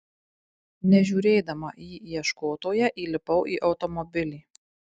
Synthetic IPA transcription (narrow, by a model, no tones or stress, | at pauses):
nʲɛʒʲuːɾʲeːd̪ɐmɐjiːjɛʃkoːt̪oːjɛʔiːlʲɪpɐʊʔiːʔɒʊt̪ɔmɔbʲɪlʲiː